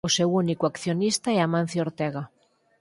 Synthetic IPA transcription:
osewunikoakθjonist̪aɛamãnθjioɾt̪ɛɣa

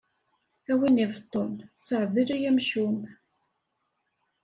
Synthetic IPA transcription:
æwinivt̪ˤːonsəʕðiɾæjæmʃum

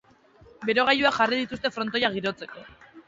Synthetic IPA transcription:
be̞ɾoɣ̞ajuakʝarið̞it̪ust̪e̞fɾo̞nt̪o̞jaɣ̞iɾo̞t͡se̞ko̞

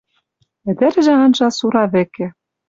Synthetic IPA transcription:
ɘ̆d̪ɘ̆ɾ̆ʒĕɑnʒɑsuɾɑβɘ̆kɘ̆

